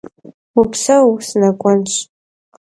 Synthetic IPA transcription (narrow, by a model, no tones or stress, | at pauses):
upʰsawsnakʷʼanʃʷ